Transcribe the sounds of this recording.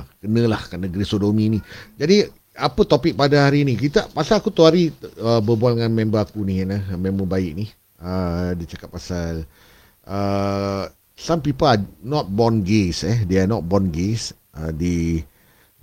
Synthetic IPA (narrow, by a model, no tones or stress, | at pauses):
kənə̃lahkanə̃ɡɾisodominid͡ʒadi | apət̪opɪk̚padaɦaɾinik̬it̪apasalakut̪uaɾiəbəbualŋãnmẽmbəakuniɦɛnəmẽmbəbaɪʔ̚nih | ədit͡ʃakap̚pːasal | ʔə | sampipanɔt̪̚bɔnɡesɛdeanɔt̪̚bɔnɡes | ʔədi